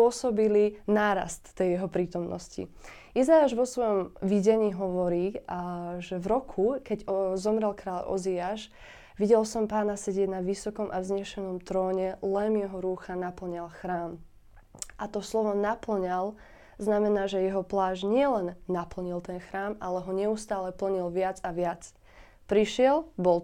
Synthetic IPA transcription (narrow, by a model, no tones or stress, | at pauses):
ɔsɔbilinaːɾa̰st̪ːɛjjɛɦɔpɾiːt̪ɔmnɔ̰scḭ | izajaːʒʋɔsʋɔjɔmʋiɟɛɲiːɦɔʋɔɾiː | ʒɛvɾɔkʰukɛɟzɔmɾɛlkɾaːʎʔɔ̰ziaːʃ | ʋiɟɛlsɔmpaːnasɛɟɪɛɟnaʋisɔkɔmʔavzɲɛʃɛnɔmt̪ɾɔːɲɛlɛmjɛɦɔɾuːxanapl̩ɲalxɾaːm | ʔat̪ɔslɔʋɔnapl̩ɲal | znamɛnaːʒɛjɛɦɔplaːʒɲɪɛlɛnːapl̩ɲilˠt̪ɛnxɾaːmalɛɦɔɲɛust̪aːlɛpl̩ɲilʋɪad͡zaʋɪat͡s | pɾiʃɪɛlbɔl